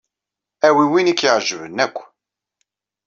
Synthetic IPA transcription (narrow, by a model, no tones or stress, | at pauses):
æwiwinikiʁʒəvənːækʷː